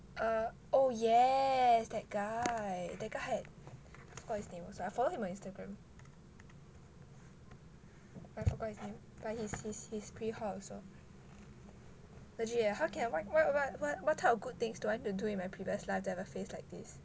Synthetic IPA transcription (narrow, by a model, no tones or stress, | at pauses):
ʔʌ | ojɛsdɛt̚ɡ̥aɪdɛɡ̥ahɛd̚ | aɪfɔɡɔt̚hisnẽmɔsoaɪfɔlohĩmɔ̃nĩnstəɡɹɛ̃m | aɪfɔɡɔt̚hisnẽm | b̥at̚hishishispʰɹihaso | ləd͡ʒiəɦaʊkʰɛ̃nwawɔtwɔwɔt̚wɔt̚tʰaɔfɡud̚t̪ɪ̃ŋsduãɪ̃tuduĩnmajpʰɹiviəslaɪftɛvəfeslaɪjk̚dis